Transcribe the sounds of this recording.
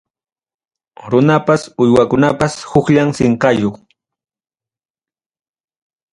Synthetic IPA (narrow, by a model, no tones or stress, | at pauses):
ɾʊnapasʊjwakʊnapashʊkʎamsɪɴqɑjoχ